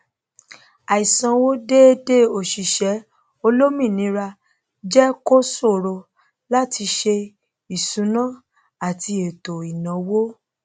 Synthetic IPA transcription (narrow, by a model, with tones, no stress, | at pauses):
a˨i˨sã˧wo˦de˦e˦de˦˨o˨ʃi˨ʃɛ˨˦ | o˧lo˦mĩ˦˨nĩ˨˦ɾa˧ | d͡ʒɛ˦ko˦so˦˨ɾo˧ | la˦tʰi˧ʃe˧ | i˨sũ˨˦nã˦˨ | a˨ti˧e˨to˨i˨nã˨˦wo˦